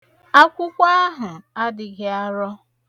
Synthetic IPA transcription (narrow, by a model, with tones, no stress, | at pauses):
a˦kʷʊ˦kʷa˦ɦʊ˨a˦dɪ˨ɡɪ˦a˦ɾɔ˦